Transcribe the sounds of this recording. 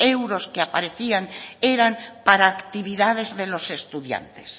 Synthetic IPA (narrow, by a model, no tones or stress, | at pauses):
e̞wɾo̞skeapa̰ɾe̞θiaŋeɾampaɾaːkt̪iβ̞iðað̞e̞zðe̞lo̞se̞st̪uðja̰nt̪e̥̰s